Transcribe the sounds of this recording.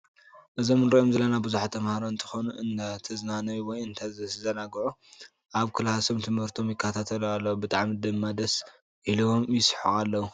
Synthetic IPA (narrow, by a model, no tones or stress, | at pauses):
ʔɨzomɨnɾɐʔomzɨlːɐnabɨzuħat̪ʰɐmhaɾoɨnt̪ʰɨ̥xonuʔɨnat̪ʰɨznanɐjuwɔjɨnt̪ʰazɨzɐnaɡʕu | ʔaβkʰɨlhasomt̪ʰɨmhɨɾt̪ʰo̞mjɪkʰːɐt̪ʰat̪ʰɐlalːɐwubɨt̪ʼaʕmid̪ɨmːad̪ɐs | ʔiliwomjɪsħualːɐwu